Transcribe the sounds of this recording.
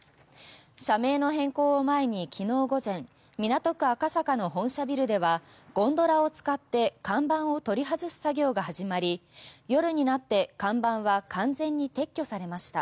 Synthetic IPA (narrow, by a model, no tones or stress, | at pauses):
ɕame̞ːno̞ɦẽ̞ŋko̞ːomae̞ɲ̟ikʲʰino̞ːɡo̞zẽ̞ɴ | mʲinat̪o̞kɯ̟akasakano̞ɦõ̞ɰ̃ɕabʲiɾɯ̟d̪e̞βa | ɡ̥õ̞nd̪o̞ɾao̞t͡sɨ̥kat̪ːe̞kãmbãɰ̃o̞t̪o̞ɾʲiɦazɨɕɨ̥saɡʲo̞ːɡahaʑimaɾʲijo̞ɾɯ̟ɲ̟inat̪ːe̞kãmbãɰ̃βakãnd͡zẽ̞ɲ̟ːit̪e̞kʲːo̞saɾe̞maɕi̥t̪a